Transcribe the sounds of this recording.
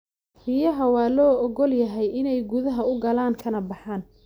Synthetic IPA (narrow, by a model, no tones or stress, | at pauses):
rijɐɦɐwɑːlɔːɔɡɔljɐɦɛjɪnɛjɡʊðɐɦɐʊɡɐlaːŋkʰɐnɐbɑħaːn